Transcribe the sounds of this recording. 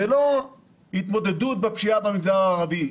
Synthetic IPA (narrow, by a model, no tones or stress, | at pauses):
elo̞ | hit̪mo̞d̪e̞d̪ut̪̚bepʃiabemiɡzaʁaːʁavi